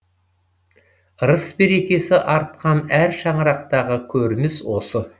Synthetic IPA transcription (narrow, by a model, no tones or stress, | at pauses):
ɾəsbe̞ɾe̞kʲe̞sɪʔɑɾt̪̚qɑnæɾʃɑɴəɾɑq̚t̪ɑʁəkʲʰɵɾnɪswo̞sə